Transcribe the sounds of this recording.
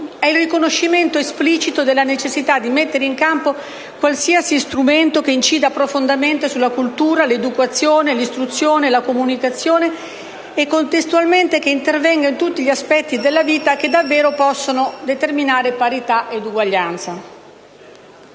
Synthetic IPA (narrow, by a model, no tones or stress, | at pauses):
ɛilrikonoʃːiment̪oespliːt͡ʃit̪od̪elːanet͡ʃesːit̪ad̪ːimet̪ːeɾeiŋkampo | kwalsiasist̪ɾument̪okeint͡ʃiːd̪apɾofond̪ament̪esulːakult̪uːɾaled̪ukat̪sːjoːnelist̪ɾut̪sːjoːnelakomunikat̪sːjoːne | ekːont̪est̪ualment̪ekeint̪ervɛŋɡaint̪ut̪ːiʎiaspɛt̪ːid̪elːaviːt̪ak̟ed̪avːeːɾopɔsːonod̪et̪erminaːɾepaɾit̪aʔed̪uɡwaʎːant̪sa